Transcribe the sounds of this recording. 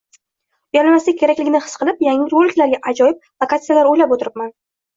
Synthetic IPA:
janmasɪakʲʰe̞ɾakʲlɪɡʲɪnɪχɨ̥sqʰɨlˠɪpjaŋɪɾbolɪkʲlaɾɡʲaʔad͡ʒɒjɪp̚lˠokat̪sɨjalaɾojlapot̪ɪɾɪp̚man

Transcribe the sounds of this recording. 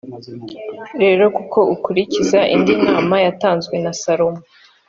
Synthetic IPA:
ɾe̞ːɾo̞kuko̞ʔukuɾicizaʔḭndinaːmajataːnzɡwe̞nasaɾo̞mu

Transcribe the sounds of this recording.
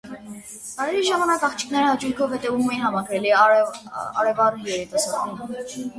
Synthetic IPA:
kɑɾɛɾiʒɑmɑnɑkɑχt͡ʃʰi̥kʰnɛɾəhɑt͡ʃujkʰɔvhɛt̪ɛvumɛjinhɑmɑɡɾɛli | ɑ̰ɾɛvɑrujɛɾit̪ɑsɑɾum

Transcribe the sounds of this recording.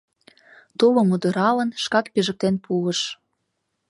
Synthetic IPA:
t̪ulomud̪ə̆ɾɑlə̆nʃkɑkpiʒə̆k̚t̪enpʰuəʃ

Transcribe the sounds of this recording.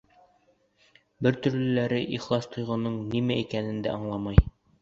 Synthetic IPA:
bɘɾt̪ɵ̆ɾlɵ̆læɾɘʔiχlˠɑst̪ʰŏjʁɤ̆nɤɴnimæikænɘ̆nd̪æ̰ɑɴlˠɑmɑj

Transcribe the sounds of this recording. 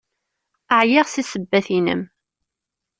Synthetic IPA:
əʕjiʁsisəbːæθinə̰m

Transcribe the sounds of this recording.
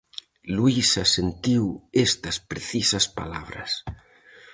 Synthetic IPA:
luisɐsent̪iwest̪ɐspɾeθisɐspa̰la̰βɾɐ̰s

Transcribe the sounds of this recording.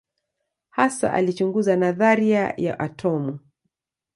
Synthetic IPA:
hasa̰ʔa̰lit͡ʃuŋɡuzanaðaɾiaja̰ʔatʰɔmu

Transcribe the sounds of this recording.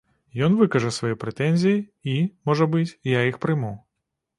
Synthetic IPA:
jɔnvɨkɐʐɐsvɐjɔpɾɛt̪ɛnʲzʲijiimɔʐɐbɨt͡sʲjaixpɾɨmu

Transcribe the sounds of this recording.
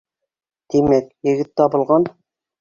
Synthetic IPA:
d̪̥emɛk̚ʲjɪɡʲɪt̪ːɑbŏlˠʁɑn

